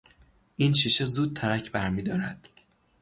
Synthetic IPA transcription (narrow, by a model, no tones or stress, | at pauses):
ʔiːnʃiːʃezuːd̪̚t̪ʰæɾæcʰbæɾmiːd̪ɒːɾæd̪̥